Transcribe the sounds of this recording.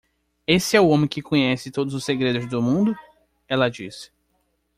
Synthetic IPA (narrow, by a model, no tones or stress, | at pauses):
esɪɛʊõmẽkɪkõɲɛsɪt̪od̪ʊzʊseɡɾed̪ʊzd̪ʊmũnd̪ʊ | ɛlɐd͡ʒisɪ̥